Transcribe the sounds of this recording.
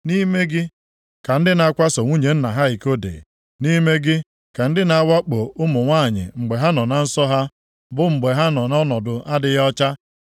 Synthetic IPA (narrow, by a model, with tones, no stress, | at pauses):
ni˦me˦ɡɪ˦ | ka˨n̩˦dɪ˦na˨a˦kʷa˦so˨ŋʷu˦ɲe˨n̩˦na˨ɦa˦i˨ko˦dḛ˨ | ni˦me˦ɡɪ˦ | ka˨n̩˦dɪ˦na˨˦wa˦k͡po˨ʊ˦mʊ˨ŋʷaː˦˨ɲɪ̰˨ŋ͡m̩˨ɡ͡be˨ɦa˦nɔ˨na˨n̩˦sɔ˦ɦa˦ | bʊ˨ŋ͡m̩˨ɡ͡be˨ɦa˦nɔ˨nɔ˦nɔ˨dʊ˨ʔa˦dɪ˨jɔ˦t͡ʃa˦